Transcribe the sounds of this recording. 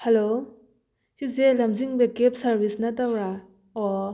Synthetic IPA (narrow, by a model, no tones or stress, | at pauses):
helo | sizelɐmziŋbekep̚sɐɾbisnɐtɐwɾa | ɔ